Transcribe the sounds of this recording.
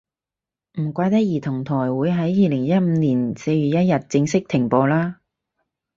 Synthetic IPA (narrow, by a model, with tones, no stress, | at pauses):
m̩˨˩kʷaː˧jt̪ɐ˥k̚jiː˨˩t̪ʰʊ˨˩ŋt̪ʰɔː˨˩jwuː˨˥jɦɐ˨˥jːiː˨˧lɪ˨˩ŋjɐ˥t̚m̩˨˧niː˨˩nse˧jɥyː˨t̚jɐ˥t̚jɐ˨t̚t͡sɪ˧ŋsɪ˥k̚t̪ʰɪ˨˩ŋpɔː˧laː˥